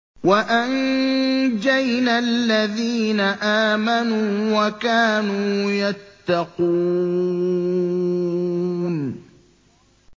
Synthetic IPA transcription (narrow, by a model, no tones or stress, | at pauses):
waʔan | d͡ʒajnalːaðiːnaʔaːmanuːwakaːnuːjat̪ːɑquː | n